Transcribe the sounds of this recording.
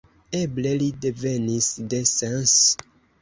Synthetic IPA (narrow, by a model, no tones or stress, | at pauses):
eble̞lideve̞nisde̞sens